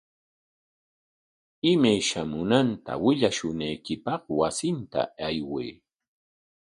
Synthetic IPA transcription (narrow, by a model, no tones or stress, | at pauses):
ɪmajʃamʊnant̪a̰wɪʎaʃʊnajkɪpɑχwasɪnt̪a̰ajwij